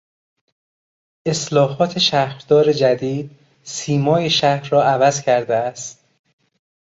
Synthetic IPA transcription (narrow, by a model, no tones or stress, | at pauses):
ʔeslɒːɦɒːt̪ʰe̞ʃæhɾd̪ɒːɾed͡ʒæd̪iːd̪̚ | siːmɒːjeʃæhɾːɒːʔævæzcʰæɾd̪eæst̪